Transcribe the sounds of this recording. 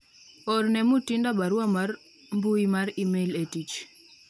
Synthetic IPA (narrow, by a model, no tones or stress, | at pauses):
oɾnɛmutindabaɾwamar | mbuimaɾimeletit͡ʃ